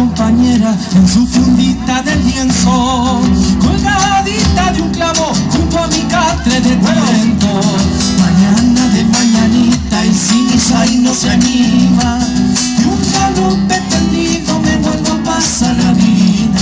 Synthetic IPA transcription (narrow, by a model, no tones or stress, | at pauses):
ompaɲe̞ɾaensufund̪it̪aðe̞ljenso | kolɣaβaðit̪aðuŋklamo̞ɾxunt̪oamikat̪ɾeðekwempo | mãɲanaðe̞mãɲãnit̪aisinisajnoseanima | euŋkalupet̪end̪iðomenenopasanaβiða